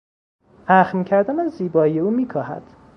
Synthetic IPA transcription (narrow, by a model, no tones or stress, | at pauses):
ʔæxmcʰæɾd̪ænæzːiːbɒːijeuːmiːkʰɒːhæ̰d̪̥